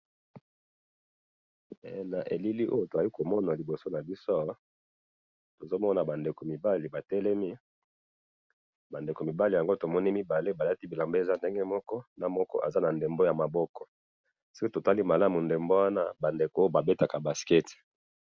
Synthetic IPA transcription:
ɛ˨na˨ʔḛ˨li˦li˦ʔo˦jo˦to˨a˨li˦ko˨mɔ˦na˨li˨bo˨so˦na˨bi˦so˦ | to˨zo˦mɔ˦na˨ba˨nde˨ko˨mi˨ba˦li˨ba˨tɛ˦lɛ˦mi˦ | ba˨nde˨ko˨mi˨ba˦li˨ja˨ŋɡo˦to˨mɔ˦ni˦mi˦ba˨le˦ba˨la˦ti˦bi˨la˨mbe˦e˨za˦nde˦ŋɡɛ˦mɔ˦kɔ˦na˦mɔ˦kɔ̰˦ʔa̰˨za˦na˨nde˨mbo˦ja˨ma˨bɔ˦kɔ˨ | ski˦to˨ta˦li˦ma˨la˦mu˨nde˨mbo˦wa˦na˦ba˨nde˨ko˨˦jo˦ba˨be˦ta˨ka˨ba˨skɛ˦t

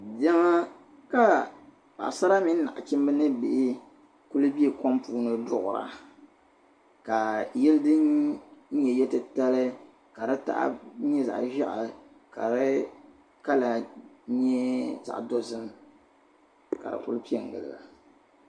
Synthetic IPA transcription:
dɛ˦ma˦ | ka˨ | pa̰˨ʔsa˦ɾa˦mi˦n̩˦na̰˨ʔt͡ʃɪ˦m˦bɨ˦nɨ˦bɪ˨ʔɪ˦ | ku˦lɨ˦bi˦e˨ko˦mpuː˦nɨ˦dʊ˦ʔʊ˨ɾa̰˨ | ka˨jɛ˦lɨ˦dɨ˦n̩˦ | ɲɛ˨jɛ˦tɨ˦ta˦lɨ˦ | ka˨ɾɨ˦ta̰˦ʔa̰˦ɲɛ˦za̰˨ʔʒa˦ʔa˨ | ka̰˨ɾɨ˦ | ka˦la˨ɲɛ˦za̰˨ʔdo˦zɨ˦m | ka̰˨dɨ̰˨ku˦lpi˦ɛ˨ŋ˨ɡɨ̰˨lɨ̰˨ɡa̰˨

